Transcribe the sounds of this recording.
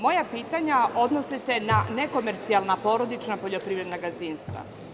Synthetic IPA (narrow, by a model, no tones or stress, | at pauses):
mo̞japiːt̪aɲaʔo̞d̪nosise̞nane̞ko̞meɾt̪sialˠnapo̞ɾo̞d̪it͡ʃnapo̞ʎo̞pɾiːvɾed̪naɡaziːnst̪ʋa̰